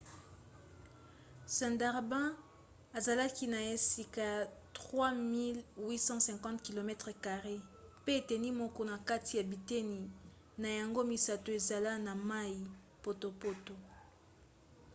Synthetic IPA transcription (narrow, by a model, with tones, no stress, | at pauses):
sɛ̃˨nda˨ʁbɛ̃˦ | a˨za˨la˦ki˦na˨e˨si˨ka˨tʁwa˦mi˦lwi˦sɑ̃˦sɛ̃˨kɑ̃˦tki˨lo˨mɛ˦tʁə˨ka˨ʁe˦pe˦e˨tɛ˨ni˦mɔ˦kɔ˦na˨ka˦ti˨ja˨bi˨te˦ni˨ | na˨ja˨ŋɡo˦mi˨sa˨to˨e˨za˨la˦na˨ma˦i˨ | po˨to˨po˦to˨